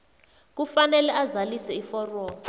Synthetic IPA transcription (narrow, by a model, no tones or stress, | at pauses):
k̬ufanɛlɛazalisɛifɔrwɔːlɔ